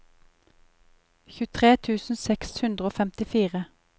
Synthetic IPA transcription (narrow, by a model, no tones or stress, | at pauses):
çʉːt̪ʰʁeːt̪ʰʉːsn̩sɛkshʉnd̪ʁəoːfɛmt̪ɪfiːʁə